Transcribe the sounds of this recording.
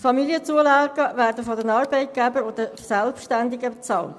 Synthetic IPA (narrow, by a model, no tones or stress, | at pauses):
fɑmiliət͡suəlɑːɡəʋæːrdəfɔdənɑːɾbɛɪt̚ɡ̥æbəɾod̪əsɛlpʃtændɪɡəbet͡sɑːlt